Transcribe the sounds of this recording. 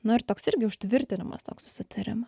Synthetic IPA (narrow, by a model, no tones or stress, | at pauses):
nʊɪɾt̪oːksɪɾʲɡʲɪʊʃt̪ʲʋʲɪɾʲt̪ʲɪnʲɪmɐ̰st̪oːksʊ̥sʲɪt̪ʰɐɾʲɪ̰mɐ